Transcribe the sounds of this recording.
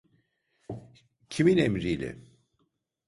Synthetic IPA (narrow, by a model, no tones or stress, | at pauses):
cʰiminemɾijlʲɛ̰